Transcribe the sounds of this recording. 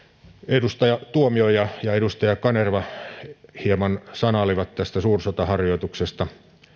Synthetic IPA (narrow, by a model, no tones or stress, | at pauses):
edust̪ɑjɑt̪uomiojɑjɑedust̪ɑjɑkɑnerʋɑ | hiemɑnsɑnɑliʋɑt̪t̪æst̪æsuːrsot̪ɑhɑrjoit̪uksest̪ɑ